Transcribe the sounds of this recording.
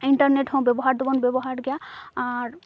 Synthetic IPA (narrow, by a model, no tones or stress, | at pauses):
iɳʈəɾneʈɦɔ̃bjebɔɦaɾd̪ubɔnbjebɔɦaɾɡejaaɾ